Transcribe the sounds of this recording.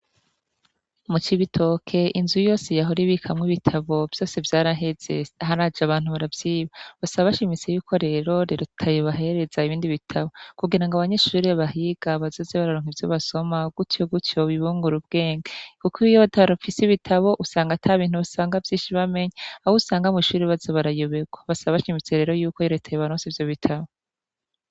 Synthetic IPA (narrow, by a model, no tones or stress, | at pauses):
mut͡ʃiβitʰo̞kʰe̞ʔinzujo̞ːsejaɦoɾiβikʰamŋiβitʰaβo̞vjo̞ːse̞vjaːɾaɦe̞z̥e̞̰aɦaɾad͡ʒaβaːnhuβaɾavz̥iːβaβasaβaβaʃimit͡sejukʰo̞ɾe̞ɾo̞ɾe̞ːɾotʰajeβaɦe̞ɾe̞zaiβiːndiβitʰaβo̞kuɡiɾaŋɡaβaɲe̞ʃuːɾeβaɦiɡ̥aβazo̞ːzeβaɾaɾoːŋ̥ivjoβaso̞maɡ̥utoɡutjo̞βiβuːŋɡuɾub̚ɡe̞ːŋɡekukʰijotʰaɾafisiβitʰaβo̞ʔusaːŋɡatʰaβiːn̥huβasaːŋɡavjiːnʃiβame̞ɲaahuusaːŋɡamiʃuːɾiβazeβaɾajoβeɡwaβasaβaβaʃimit͡se̞ɾe̞ːɾo̞juːkojoɾtʰajeβaɾoːsivjoβitʰaβo